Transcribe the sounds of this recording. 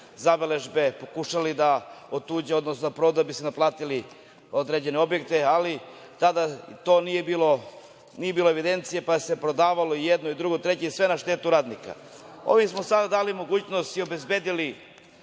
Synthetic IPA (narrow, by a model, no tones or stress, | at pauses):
zabele̞ʒbe̞po̞kuʃalid̪aot̪uːd͡ʑeo̞d̪nosnonapɾo̞d̪abisenaplˠaːt̪ili | o̞d̪ɾed͡ʑe̞neo̞bjekt̪e̞ali | t̪ad̪at̪o̞nije̞biːlo | nije̞biːlo̞eʋid̪e̞nt̪sijepaese̞pɾo̞d̪aːʋalo̞ijed̪noid̪ɾuɡot̪ɾe̞t͡ɕeisʋe̞naʃt̪e̞ːt̪uɾaːd̪nika̰ | o̞̰ʋimsmo̞sad̪ad̪aːlimo̞ɡuːt͡ɕno̞st̪io̞be̞zbe̞ːd̪ili